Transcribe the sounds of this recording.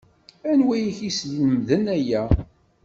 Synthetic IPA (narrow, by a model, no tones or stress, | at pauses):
ænwæjiçislinəmðənæjæ